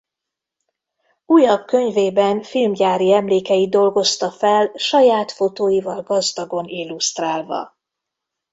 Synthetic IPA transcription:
uːjɒb̚kø̞ɲveːbɛnfilmɟaːɾiɛmleːkɛjid̪o̞lɡo̞st̪ɒfɛlʃɒjaːt̪fo̞t̪oːjivɒlɡɒzd̪ɒɡo̞nilːust̪raːlvɒ̰

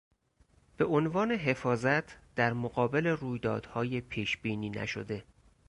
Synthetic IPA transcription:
b̥e̞ʔonvɒːne̞ɦe̞fɒːzæt̪ʰd̪̥æɾmoɢɒːbe̞le̞ruːjd̪ɒ̰ːd̪̥hɒːjepʰiːʃbiːniːnæ̰ʃo̰d̪e̞

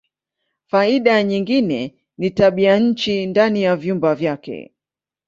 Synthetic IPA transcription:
faiɗaɲiŋɡinɛ | nitaɓiaɲ̩t͡ʃindanijavjumbavjakɛ̰

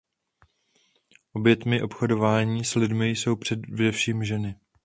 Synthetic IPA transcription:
ʔo̞bjɛt̪mɪʔo̞pxo̞do̞vaːɲiːslɪdmɪjso̞wpr̥ɛvdɛfʃiːmʒɛnɪ

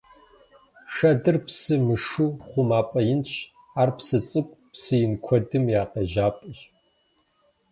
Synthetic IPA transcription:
ʃɐdɨrpsɨmɨʂuχʷʊmaːpʼɐjɪnɕʰ | aːrpsɨt͡sʼɨkʷʼpsɨjɪnkʷʰɔdɨmjaːqʼɐʒaːpʼɨʒ

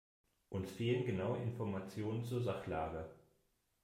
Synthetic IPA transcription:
ʔʊnsfeːlənɡənaʊəʔɪnfɔɐmat͡sjoːnənt͡suːɐzaχlaːɡə

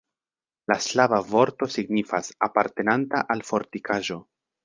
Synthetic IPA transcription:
laslavavo̞ɾto̞siɡnifasapaɾte̞nantaʔalfo̞ɾtikʰaʒo̞

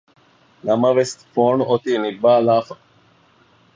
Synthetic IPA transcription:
nɐmɐʋesfoːnʔot̪iːnibːaːlaːfɐ

